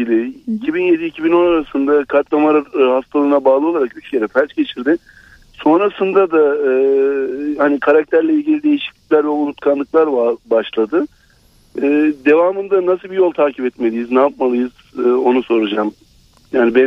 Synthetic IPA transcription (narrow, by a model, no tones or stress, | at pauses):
ilʲiːcʰibinje̞d̪iːcʰibino̞naɾasɯnd̪akʰaɾt̪lˠamalˠahast̪ʰalˠɯːnabaːlˠɯolˠaɾakyt͡ʃcʰe̞ɾɛfæɾʲt͡ʃɟe̞t͡ʃʰiɾd̪ɪ | so̞nɾasɯnd̪ad̪aɯ | hanikʰaɾak̚t̪ʰæɾlʲɛilʲɟilʲid̪e̞jiʃi̥clʲicʲlʲæɾvɛoulut̪kʰanlˠɯklˠaɾbaʃlˠad̪ɯː | d̪e̞vaːmɯnd̪anas̬ɯlˠbijo̞lˠt̪ʰaːcʰipɛt̪me̞lʲijiznaːp̚malˠɯjɯz̥ | ɯːo̞nuso̞ɾud͡ʒam | jaːnibɛ